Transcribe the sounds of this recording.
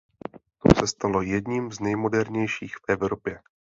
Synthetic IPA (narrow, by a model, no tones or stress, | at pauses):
t̪o̰sɛst̪alo̞jɛdɲiːmznɛjmo̞dɛɾɲɛjʃiːxfʔɛvɾo̞pjɛ